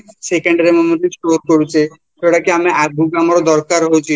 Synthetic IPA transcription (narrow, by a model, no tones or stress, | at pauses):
sekeɳɖaɾemɔmoʈisʈoɾkoɾut͡ʃʰe | ʃeɽakeamiabʱuɡamaɾɔd̪ɔɾkaɾɦojt͡ʃʰi